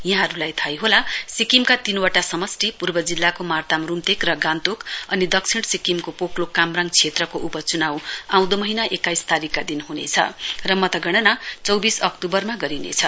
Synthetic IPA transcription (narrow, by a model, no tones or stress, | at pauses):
jʌɦaɾulajt̪ʰajɦolasikimkat̪inwaʈasʌmʌsʈipurbʌd͡zilːakomart̪amrumt̪ekrʌɡant̪ukʌnid̪ʌk̚t͡sʰiɽsikimkopoklokamraŋt͡sʰet̪rʌkoʔupʌt͡sunawãw̃d̪omʌɦinaʔekajst̪aɾikːad̪inɦunḛt͡sʰʌ̰rʌmʌt̪ʌɡʌɽ̃ʌnat͡sʌwbisʌkt̪ubʌrmaɡʌɾinḛt͡sʰʌ